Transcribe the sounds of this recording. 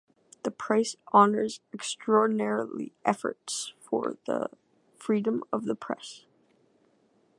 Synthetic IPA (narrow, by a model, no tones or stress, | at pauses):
ðɨpʰɹ̥aɪsʔɑnə˞zɨkstɹ̥ɔɹdⁿnɛɹl̩ˠḭʔɛfə̰˞tsfə̰˞ðə̰ | fɹiɾə̃mʌvðəpʰɹ̥ɛ̰s